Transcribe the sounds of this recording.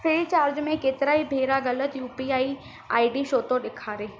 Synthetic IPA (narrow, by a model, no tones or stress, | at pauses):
fʰɪːlt͡ʃaːɾd͡ʒmẽkeːt̪ɪɾaibʱeːɾaɣɐlət̪juːpiaːi | a̰ːiɖiʃoːt̪oɗɪkʰaːɾeː